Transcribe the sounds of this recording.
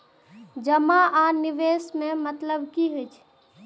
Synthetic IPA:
d͡ʒɐmaʔaːnɪʋeːsmẽmɐt̪ləbkiɦɪt͡ʃʰ

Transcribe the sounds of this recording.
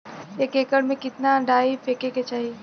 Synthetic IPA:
ekeːkəɽmẽkɪt̪naɖaːifeːkeket͡ʃaːɦie

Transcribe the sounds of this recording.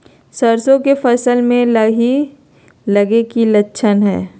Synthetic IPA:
sɐɾsõkefɐsəlmẽlɐi | lɐɡekilɐtːʃʰənɦɛ̰ː

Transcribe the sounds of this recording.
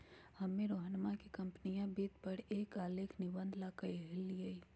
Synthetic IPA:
hɐmːẽɾoːɦənmãkikɐ̃mpnijãbiːt̪pəɽeːkaːleːkʰnɪbə̃nd̪ʱlaːkəɦɪlːiəi

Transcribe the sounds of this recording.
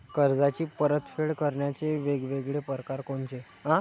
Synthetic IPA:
kəɾd͡zat͡ɕiːpəɾət̪feɭkəɾɳjat͡ɕeʋeɡʋeɡɭepəɾkaɾkoɳt͡ɕe | ɦã

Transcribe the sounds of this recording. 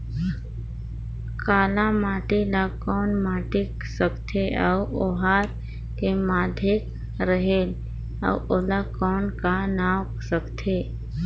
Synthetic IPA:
kaːlãmaːʈilakɔːnmaːʈik | səkt̪ʰeəuoɦaːɾ | kemaːd̪ʱek | ɾəɦeːl | ə̰uolakɔːnkanawksəkt̪ʰe

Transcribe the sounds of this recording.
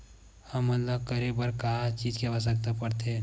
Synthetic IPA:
hɐmːət̪ləb̚kɐɾebəɾkaɦat͡ʃiːd͡ʒkebas̬ɐk̚t̪apɐɾt̪e

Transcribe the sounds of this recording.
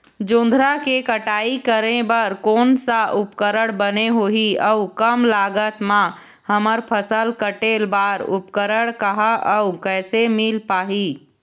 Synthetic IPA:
d͡ʒõːnd̪ʱɾakekəʈaːikəɾẽbəɾkoːnsaʔʊpkəɾəɽ̃bəneɦoːɦiəukəmlaːɡət̪mã | həməɾpʰəsəlkəʈeːlbaːɾʊpkəɾəɽ̃kəɦaʔəukɛːsemɪlpaːɦiː

